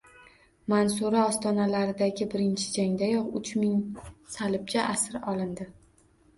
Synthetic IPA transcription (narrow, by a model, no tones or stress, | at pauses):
mansuɾaɒst̪ɒnalaɾɪd̪aɡʲɪbɪɾɪnt͡ʃʰɪ̥d͡ʒaŋd̪ajɒqʊt͡ʃʰmɪŋsalɪb̚t͡ʃʰaʔasɪɾɒlˠɪnd̪ɪ